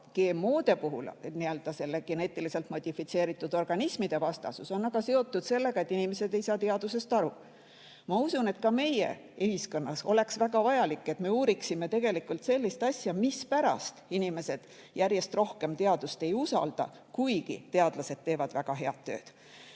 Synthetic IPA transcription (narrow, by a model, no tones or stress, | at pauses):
ɡ̥e̞ːmːoːd̪̥e̞puɦṵlniøld̪̥ɑse̞lːeɡ̥e̞ne̞t̪ːˑilise̞lt̪mo̞d̪̥ʲifit̪se̞ːɾit̪ːˑud̪o̞rɡ̥ɑnismid̪̥e̞vɑst̪ɑ̰suso̞nːɑɡ̥ɑse̞o̞t̪ːˑud̪̥se̞lːe̞ɡ̥ɑe̞t̪ːˑinime̞se̞d̪e̞jsɑːt̪eɑd̪̥use̞st̪ɑɾu | mɑusune̞t̪kɑme̞jḛeɦisko̞nːɑso̞̰le̞ksvæɡ̥ɑvɑjɑlikːˑe̞t̪me̞uːɾiksime̞t̪e̞ɡ̥e̞likult̪se̞lːist̪ɑsʲjɑmispæɾɑ̰st̪inime̞se̞d̪̥ | jærje̞st̪ro̞hke̞mt̪e̞ɑd̪̥ust̪e̞jusɑ̰ld̪̥ɑ̰ | kujɡ̥ḭt̪e̞ɑd̪̥lɑse̞d̪̥̚t̪ːe̞ːvɑd̪̥væɡ̥ɑɦe̞ɑt̪ːø̞̰ːd̪̥